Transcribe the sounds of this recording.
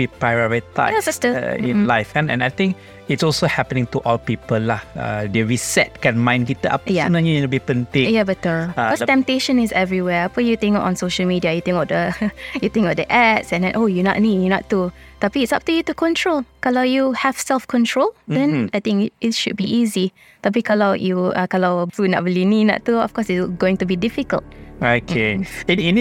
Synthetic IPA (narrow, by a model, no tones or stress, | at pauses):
bipɹajɔɹita̰abɛtə̰ḭ̃nlaɪfɛ̃nɛ̰̃najt̪ĩŋk | itsɔlsohɛpənɪ̃ŋtuʔɔlpipəlːaha̰dəɹisɛ̰t̚kɛ̃nmãj̃nɡitəa̰pjanajuinubipə̃ntejabɛtəɔtɛ̃mp̚teʃə̃nisɛvɹiwɛpɛ̃njut̪ɪ̃ŋkɔʔɔ̃nsoʃəlmidiajut̪ɪ̃ŋkɔfdəjut̪ɪ̃ŋkɔfdəʔɛtsɛ̃ndɛ̃nʔojunɔ̰ʔnijunɔ̰ʔut̪apiːtsap̚tujutukʰɔ̃ntʰɹolkalaʊjuhɛvsɛlfkʰɔ̃ntʰɹoldɛ̃najt̪ĩŋkɪtʃud̚biʔizi | t̪ap̬ikʰalajuakalaʊtunɔ̰ʔ̚bilininɔ̰ʔttːuɔ̰fkɔsɪtsɡoɪ̃ŋtubidifikə̰lt̚okʰeiini